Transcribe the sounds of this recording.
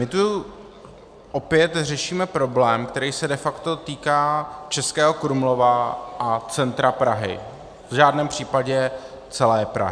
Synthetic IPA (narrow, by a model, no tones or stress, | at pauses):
mɪt̪u | ʔopjɛt̪r̝ɛʃiːmɛpɾo̞blɛːmkt̪ɛɾiːsɛdɛfakt̪o̞t̪iːkaːt͡ʃɛskɛːɦo̞kɾumlo̞vaʔat͡sɛnt̪ɾapɾaɦɪ̰ | vʒaːdnɛːmpr̝̥iːpaɟɛ | t͡sɛlɛːpɾa̰ɦɪ